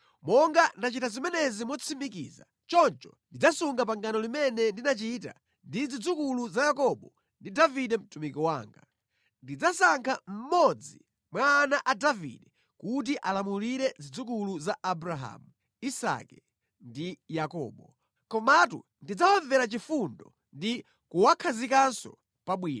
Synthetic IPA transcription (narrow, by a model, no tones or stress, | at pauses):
mɔŋɡandat͡ʃitazimɛnɛzimɔt͡sʰimikḭza | t͡ʃɔnt͡ʃɔndid͡zasuŋɡap̬aŋɡanɔlimɛnɛndinat͡ʃit̬a̰ | ndid͡zid͡zukuluzajakɔɓɔ | ndidaviɗɛm̩tumikɔwa̰ːŋɡa̰ | ndid͡zasaŋkʰam̩mɔd͡zi | mwaːnaʔadavḭɗɛ | kut̬iʔalamuliɾɛd͡zid͡zukuluzaʔabɾaɦa̰mu | isa̰kɛ | ndijakɔ̰ːɓɔ | kɔmatṵ | ndid͡zawaɱvɛɾat͡ʃifundɔ | ndi | kuwakʰazikansɔ̰ | paɓwiːna